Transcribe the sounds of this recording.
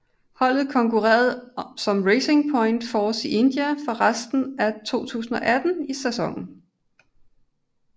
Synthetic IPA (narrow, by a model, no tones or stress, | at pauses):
hɒ̽l̰ð̩ˠkʰɒ̽ŋkʰuʁɛ̰ːɐð̩ˠsɒ̽mʁeɪse̝ŋpʰɒ̽ɪnd̥fɒːsiʔe̝nd̥jæfɒ̽ʁasd̥n̩æt͡sʰo̝̰ːt͡sʰṵːsn̩ɒ̽ʔæd̥n̩isæsɒ̽ŋ̰n̩